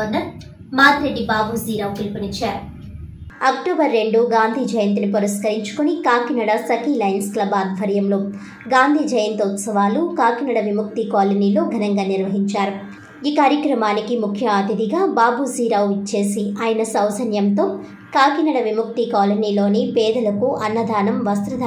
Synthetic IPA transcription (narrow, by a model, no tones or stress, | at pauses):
nːɐ | maːd̪ɾeɖːibaːbuziːɾaːwt̪ilupinit͡ʃːaːɾu | ɐk̚ʈoːbɐɾːe̞ɳɖuɡaːnd̪ʱiːd͡ʒɐjɐnt̪nipuɾɐskɐɾiɲt͡ʃu̥kunikaːkinɐɽɐsɐkilɐjnsklɐbaːd̪ʱʋɐɾjɐmlo̞ː | ɡaːnd̪ʱiːd͡ʒɐjɐnt̪ɔt̪sɐʋaːlukaːkinɐɽɐʋimuk̚t̪ikaːlɐniːlo̞ːɡʱɐnɐŋɡaːniɾʋɐɦiɲt͡ʃaːɾu | iːkaːɾjɐkɾɐmaːnikimukʰjɐaːt̪id̪iɡaːbaːbʱusiːɾɐwit͡ʃːe̞ːsiaːjɐnɐsɐwsɐnjɐmt̪o̞ː | kaːkinɐɽɐʋimuk̚t̪ikaːlɐniːlo̞ːnipɛːd̪ɐlɐkuʔɐnːɐd̪ʱaːnɐmʋɐst̪ɾɐd̪ʱɐ